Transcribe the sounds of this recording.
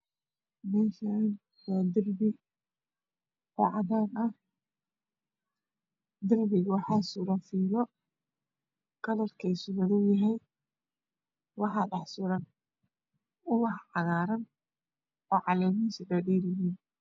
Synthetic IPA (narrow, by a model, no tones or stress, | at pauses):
mɛːʃan | waːd̪ɪrbɪ | ɔːʕɑðaːnɐh | d̪ɪrbɪɣawɑħɑːsʊɾɐnfiːlɔ | kʰɐlɐrkʰɛjsʊβɐðʊjɐɦɛj | wɑħɑːd̪ɑħsʊɾɐn | ʊwɑhɑɣaːɾɐn | ɔːʕɑlɛjmiːnsɪdɐɗiːɾjjiːn